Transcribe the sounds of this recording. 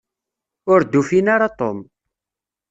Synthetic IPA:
ʊɾd̪ːufinaɾat̪ˤom

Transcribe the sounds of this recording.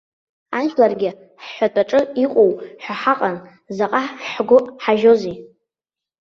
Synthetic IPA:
anʃlarɡʲɪ | ħħʷatʼaʈ͡ʂʼɨiqʷʼowħʷᶣaħaqʼan | zaqʼaħɡʷʊħaʒo̞zi

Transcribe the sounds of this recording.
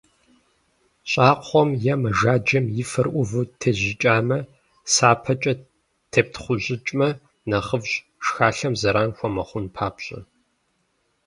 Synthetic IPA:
ɕʼaːqʷɔmjɛmɐʒaːd͡ʒɐmjɪfɐrʔʷʊvɨtʰeʑɪt͡ʃʼaːmɐ | saːpʰɐt͡ʃʼɐ | tʰep̚tʰχʷʊʑɪt͡ʃʼmɐ | nɐχəvɕ | ʃxaːɬɐmzɐɾaːnxʷɔmɐχʷʊnpʰaːpɕʼɐ̰

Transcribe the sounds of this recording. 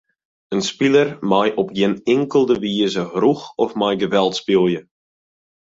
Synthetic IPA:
ənspilərmajʔɔpjɪnɪŋkəlˠdəʋiəzəhruxɔfmajɡəʋɛlˠtspilˠjə

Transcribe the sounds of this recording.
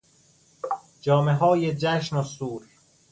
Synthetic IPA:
d͡ʒɒːmeɦɒːjed͡ʒæʃnosuːɾ

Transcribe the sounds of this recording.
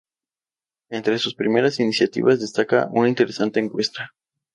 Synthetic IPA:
ent̪ɾesuspɾimeɾasinisjat̪ḭβazðe̞st̪aka̰ʔṵnaint̪e̞ɾesant̪e̞ːŋkwe̞st̪a

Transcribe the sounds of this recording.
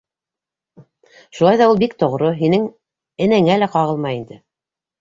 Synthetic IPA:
ʃulˠɑjðɑulˠbikt̪ŏʁɾoɦinɘŋ | ɘ̆næŋælæqɑʁɤlˠmɑjind̪ɘ

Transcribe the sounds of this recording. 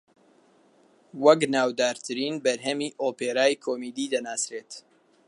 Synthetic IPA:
wɐknaːwd̪aːɾt̪ʰɨɾiːnbɐɾɦɐmiːʔoːpeːɾaːjkʰoːmiːd̪iːd̪ɐnaːsɾeːt̪

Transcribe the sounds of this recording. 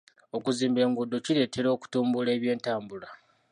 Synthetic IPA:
o̞kuziːmbe̞ːŋɡudːociɾe̞ːte̞ɾo̞ːku̥tuːmbule̞ːβje̞ːntaːmbula

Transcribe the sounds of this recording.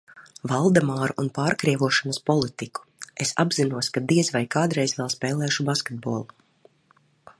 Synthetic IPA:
valˠd̪amaːɾuʔunpaːɾkɾiɛʋuɔʃanɐspɔlˠit̪iku̥esa̰bzinuɔskad̪iɛzvajkaːd̪ɾɛjzʋɛlˠspɛːlˠɛːʃubaskʲed̪̚boːlˠu

